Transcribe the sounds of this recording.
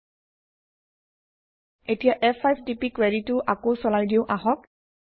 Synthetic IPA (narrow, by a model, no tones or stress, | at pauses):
etijaʔɛpʰajpʰdipikweɹitʊʔakosɔlajdiʊʔaɦɔk̚